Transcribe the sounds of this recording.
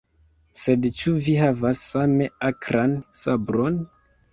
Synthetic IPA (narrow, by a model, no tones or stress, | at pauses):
se̞dt͡ʃuviɦavasːame̞akʰɾansabɾo̞n